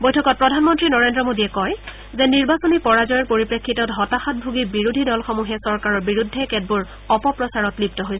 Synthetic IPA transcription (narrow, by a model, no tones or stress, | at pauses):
bojtʰɔkɔt̚pɹɔdʱanmɔntɹinɔɹendɹɔmodiɛkɔj | zɛniɹbasɔnipɔɹazɔjɔɹpoɹipɹekʰːitɔtɦɔtaxɔt̚bʱuɡibiɹudʱidɔlxɔmuɦɛsɔɹkaɹɔɹbiɹudʱːɛkɛd̚buɹ | ɔpɔpɹɔsaɹɔtlip̚tɔɦojsɛ